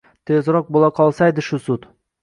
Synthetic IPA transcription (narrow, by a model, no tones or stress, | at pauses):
t̪ʰezɾɒq̚bolˠaqʰɒlˠsajd̪ɪʃʊsʊt̪